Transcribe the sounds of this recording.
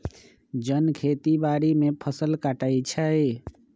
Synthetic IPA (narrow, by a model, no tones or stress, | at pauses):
d͡ʒənkʰet̪ibaɾimepʰəsəlkaʈajt͡ʃʰə